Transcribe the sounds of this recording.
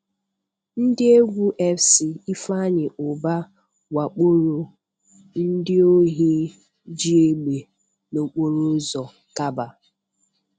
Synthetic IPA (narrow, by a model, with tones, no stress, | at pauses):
n̩˦dɪ˦e˦ɡʷu˦ʔe˦fsi˨i˦fa˦ɲɪ˨ʔʊ˨ba˦ | wa˨k͡po˦ɾo˨ | n̩˦dɪ˦o˦ɦi˦ | d͡ʒi˦e˦ɡ͡be˨ | no˨k͡po˦ɾo˦zɔ˨ | ka˦ba˨